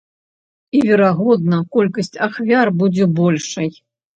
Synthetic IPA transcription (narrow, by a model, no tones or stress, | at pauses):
ivʲɛɾaɣɔd̪̚nɐkɔlʲkɐsʲt͡sʲaxvʲarbud͡zʲɛbɔlʲʂɐj